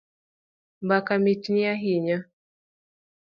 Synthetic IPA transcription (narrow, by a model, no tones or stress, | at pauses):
mbakamitiniaɦiɲa